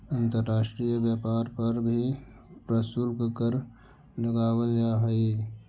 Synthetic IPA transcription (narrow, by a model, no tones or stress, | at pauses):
ə̃nt̪əɾːaːʃʈɾijəbjəpaːɾpəɾbʱi | pɾəsulkkəɾ | ləɡaːwəld͡ʒaːɦəi